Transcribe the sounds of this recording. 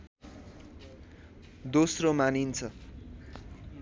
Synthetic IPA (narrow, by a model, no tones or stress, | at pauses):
d̪osromanint͡sʰʌ